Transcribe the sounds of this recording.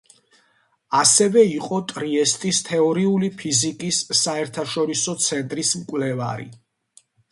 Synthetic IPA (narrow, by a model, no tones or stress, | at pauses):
asɛvɛiqʼɔt̪ʼɾiɛst̪ʼist̪ʰɛɔɾiulipʰizikʼisːaɛɾt̪ʰaʃɔɾisɔt̪sʰɛnt̪ʼɾismkʼwvlɛva̰ɾḭ